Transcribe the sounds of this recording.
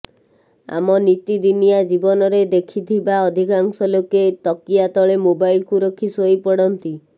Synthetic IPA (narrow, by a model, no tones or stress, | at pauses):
a̰mɔnit̪id̪inijad͡ʒibɔnɔɾed̪ekʰit̪ʰibaɔd̪ʱikaŋsɔloket̪ɔkijat̪ɔɭemobajlkuɾokʰːisojpɔɽɔnt̪i